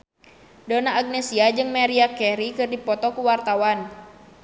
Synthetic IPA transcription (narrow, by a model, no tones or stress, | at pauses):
donaːɡ̚nɛsiad͡ʒɨŋmaɾiakɛɾikɨrdipɔt̪ɔkuwart̪awan